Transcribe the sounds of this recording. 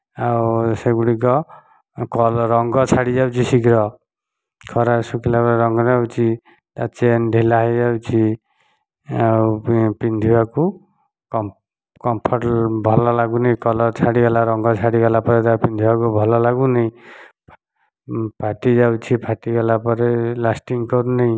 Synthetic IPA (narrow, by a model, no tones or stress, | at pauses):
awsaɡuɽiɡʌ | kɔlɾʌŋɡʌt͡sʰaɽid͡ʒawt͡sʰisikɾʌ | kʰɔɾasukʰilaɾɾʌŋɡɔnawt͡sʰi | t̪at͡sendʱilaɦʌjd͡zawt͡sʰi | awpind̪ʱiwaku | k | kɔmpʰɔrbʱɔlɔlaɡunʌj̃kɔlʌɾt͡sʰaɽiɡalaɾɔŋɡʌt͡sʰaɽiɡalapɔɾet̪apind̪ʱiwakubʱɔlɔlaɡunʌj | pʰaʈid͡zawt͡sʰipʰaʈiɡalapɔɾelasʈiŋkɔɾunej